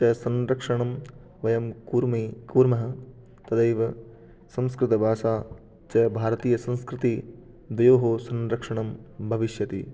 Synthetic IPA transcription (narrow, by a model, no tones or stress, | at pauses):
t͡ʃɐsɐ̃nɾɐkʂɐɳɐm | ʋɐjɐmkuːɾmikuːɾmɐɦɐ̆ | t̪ɐd̪ɐjʋɐ | sɐ̃mskɾɪt̪ɐbʱaːʃaː | t͡ʃɐɐbʱaːɾɐt̪iːjɐsɐ̃nskɾɪt̪i | d̪ɐjoːɦoːsɐ̃nɾɐkʂɐɳɐmbʱɐʋiʃjɐt̪ḭ